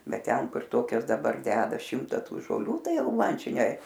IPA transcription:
ˈbʲɛt ˈtʲɛn ˈkʊr ˈtoːkʲɛs dɐˈbɐr ˈdʲæːdɐ ˈʃʲɪmtɐ ˈtuː ʒoːˈlʲuː ˈtɐɪ ˈjɛʊ ˈmɐn ˈt͡ʃʲɛ nʲɛ

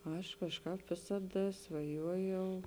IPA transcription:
ˈɐʃ kɐʃˈkɑːp ˈʋʲeːsɐˌdɐ sʋɐˈjuɔjɛʊ

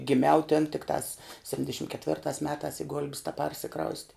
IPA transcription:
ɡʲɪˈmʲɛʊ tʲɪn tʲɪkˈtɑːs sʲɛpʲˈtʲɪnʲdʲɛʃʲɪm kʲɛtʲˈʋʲɪrtɑːs ˈmʲæːtɑːs ɪ ɡʊlʲpʲs tʲɛˈpɐrʲsʲɪkrɐʊsʲtʲɪ

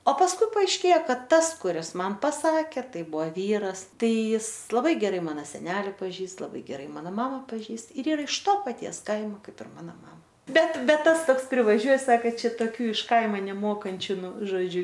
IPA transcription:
oː pɐsˈkʊɪ pɐɐɪʃʲˈkʲeːjɛ ˈkɐt tɐs kʊˈrʲɪs ˈmɐn pɐˈsɑːkʲeː ˈtɐɪ ˈbʊʋoː ˈʋʲiːrɐs ˈtɐɪ ˈjɪs lˠɐˈbɐɪ ɡʲɛˈrɐɪ ˈmɑːnoː sʲɛˈnʲæːlʲɪ pɐˈʒʲiːst lˠɐˈbɐɪ ɡʲɛˈrɐɪ ˈmɑːnoː ˈmɑːmɐ pɐˈʒʲiːst ɪr ˈiːˈrɐ ɪʃ toː pɐˈtʲiɛs ˈkɐɪmoː ˈkɐɪp ɪr ˈmɑːnoː ˈmɑːmɐ ˈbʲɛt ˈbʲɛt ˈtɐs ˈtoːks pʲrʲɪʋɐˈʒʲuɔj ˈsɑːkɐ ˈt͡ʃʲɛ toːˈkʲuː ɪʃ ˈkɐɪmɐ nʲɛˈmoːkɐnʲt͡ʃʲʊ ˈnʊ ʒoːˈd͡ʒʲʊ

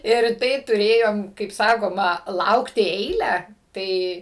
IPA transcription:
ɪr ˈtɐɪ tʊˈrʲeːjoːm kɐɪp ˈsɑːkoːmɐ ˈlˠɐʊktʲɪ ˈɛɪlʲæː ˈtɐɪ

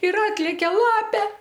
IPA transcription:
ɪr ˈɑːtʲlʲɛkʲɛ ˈlˠɑːpʲeː

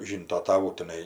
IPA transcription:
ˈʒʲiːntoː tɐˈʋuː tʲɪˈnɐɪ

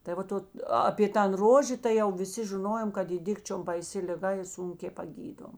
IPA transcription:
tɐɪ ˈʋɐt ˈoːt ɐpʲeː ˈtɐn ˈroːʒʲeː tɐɪ ˈjɛʊ ʋʲɪˈsʲɪ ʒʲɪˈnoːjoːm kɐt ˈiː ˈdʲɪkt͡ʃʲoːm bɐɪˈsʲɪ lʲɪˈɡɐ ɪ ˈsʊŋʲkʲeː pɐˈɡʲiːdoːm

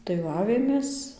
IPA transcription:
tɐɪ ˈʋɐ ˈɑːʋʲeːmʲeːs

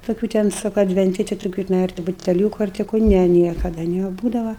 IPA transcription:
toːˈkʲuː tʲɛn ˈsʊ kɐ ɐdʲʋʲɛnʲˈtʲɪ tʲɪ toːˈkʲuː tʲɪˈnɐɪ ɐr tʲɪ bʊtʲɛˈlʲuːkʊ ɐr tʲɪ ˈkʊ ˈnʲɛ ˈnʲiɛkɐdɐ nʲɛˈbuːdɐʋɐ

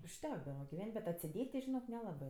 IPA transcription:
ʊʃʲˈtʲæːɡdɐʋɐ ɡʲɪˈʋʲɛnʲtʲ bʲɛt ɐtʲsʲɪˈdʲeːtʲ tʲɪ ʒʲɪˈnoːk nʲɛˈlˠɑːbɜ

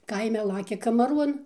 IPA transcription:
ˈkɐɪmʲɛ ˈlˠɑːkʲɛ kɐmɐˈruɔn

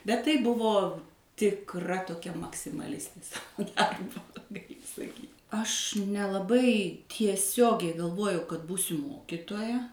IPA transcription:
bʲɛt ˈtɐɪ ˈbʊʋoː tʲɪkˈrɐ toːˈkʲɛ mɐksʲɪmɐˈlʲɪsʲtʲeː ˈsɑːʋoː ˈdɐrboː ɡɐˈlʲɪ sɐˈkʲiːtʲ ɐʃ nʲɛlˠɐˈbɐɪ tʲiɛˈsʲoːɡʲɛɪ ɡɐlˠˈʋoːjɛʊ kɐt ˈbuːsʲʊ ˈmoːkʲɪtoːjɛ

